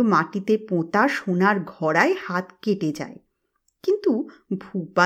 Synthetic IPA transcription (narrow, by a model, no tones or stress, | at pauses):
maʈit̪epot̪aʃonaɾɡʱɔɾaehat̪keʈed͡ʑa̰e | kint̪ubʱupa